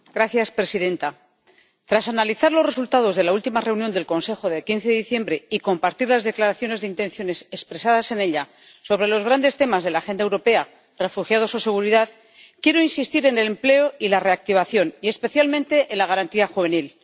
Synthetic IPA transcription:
ɡɾaθjaspɾe̞siðe̞nt̪a | t̪ɾasanaliθaɾlo̞sre̞sult̪að̞o̞zð̞e̞lault̪imare̞uwnjond̪e̞lko̞nse̞xo̞ðekin̟θe̞ðeðiθje̞mbɾe̞iko̞mpaɾt̪iɾlazðe̞klaɾaθjo̞ne̞zðeint̪e̞n̟θjo̞ne̞sespɾe̞sað̞ase̞ne̞ʎa | so̞β̞ɾe̞lo̞zɣɾand̪e̞st̪e̞mazðe̞laːxe̞nd̪aewɾo̞pe̞a | re̞fuxjað̞o̞so̞se̞ɣ̞uɾiðað | kje̞ɾo̞insist̪iɾe̞ne̞le̞mple̞oilare̞ak̚t̪iβ̞aθjo̞nie̞spe̞θjalmẽ̞nt̪e̞ʔenlaɣ̞aɾant̪iaxuβe̞nil

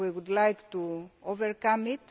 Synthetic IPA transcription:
wiwudlajktuovɛɹkãmit

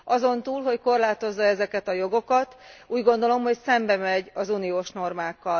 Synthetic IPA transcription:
ɒzo̞nt̪uːlɦo̞cko̞rlaːt̪o̞zːɒɛzɛkɛt̪ɒjo̞ɡo̞kɒt̪uːɟɡo̞nd̪o̞lo̞mho̞csɛmbɛmɛɟɒzuːnijoːʃno̞rmaːkːɒl

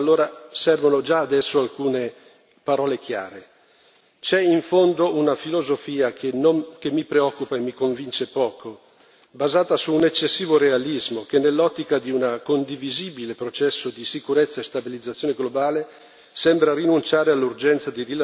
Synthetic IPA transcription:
alːoːɾasɛrvonod͡ʒaːd̪ɛsːoalkuːne | paɾɔːlekja̰ːɾe | t͡ʃɛiɱfond̪ounafilozofiːakʰenokemːipɾeɔkːupaemːikoɱvint͡ʃepɔːkʰo | bazaːt̪asuːnet͡ʃːesːiːvoɾealizmokenːelːɔt̪ːikad̪iunakond̪iviziːbilepɾot͡ʃɛsːod̪isikuɾet̪sːaest̪abilid̪zat̪sːjoːneɡlobaːle | sɛmbɾaɾinunt͡ʃaːɾealːurd͡ʒɛnt̪sad̪irila

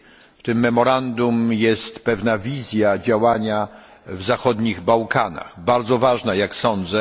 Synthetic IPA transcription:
ft̪ɘmːɛmɔɾand̪umjɛst̪pɛvnavʲizʲjad͡ʑawaɲa | vzaxɔd̪ɲiɣbawkʰana̰ɣbaɾd̪zɔvaʐnajaksɔnd̪zɛ

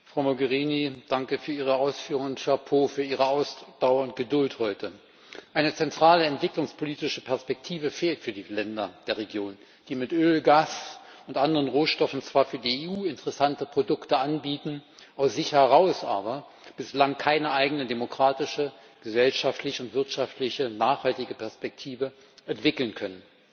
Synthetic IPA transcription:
fʁ̥aʊmoɡəʁiːnid̥aŋkəfyːɐiːʁ̞əaʊsfyːʁʊŋʊnʃapʰoːfyːɐʔiːʁəaʊsd̥aʊɐʊnt̚ɡ̥ədʊlthɔʏtʰə | ʔaɪnət͡sɛntʁ̥aːləɛntv̥ɪklʊŋspʰoliːtɪʃəpʰɛɐspɛk̚tʰiːvəfeːltfyːɐdiːlɛndɐd̥eːɐʁeɡjoːn | d̥iːmɪtʔøːlɡaːsʊntʔandəʁənʁoːʃtɔfn̩t͡sv̥aːɐfyːɐdiːeːuːɪntəʁɛsantəpʁ̥odʊktəʔanbiːtn̩ʔaʊsz̥ɪçhɛʁaʊsʔa̰ːbɐ | b̥ɪslaŋkʰaɪnəʔaɪɡənədemokʁ̥aːtɪʃə | ɡ̥əzɛlʃaftʰlɪçəʊntv̥ɪɐtʃaftlɪçənaːχhaltɪɡəpʰɛɐspɛk̚tʰiːvə | ʔɛntv̥ɪkl̩nkʰœnən

